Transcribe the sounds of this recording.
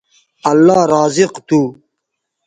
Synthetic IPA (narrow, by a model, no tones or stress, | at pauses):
ɐlːɑːɾɑːzɪqt̪u